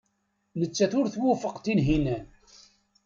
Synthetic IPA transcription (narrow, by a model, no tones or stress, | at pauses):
nət͡sːæθʊɾθwʊfəqt̪inɦinæn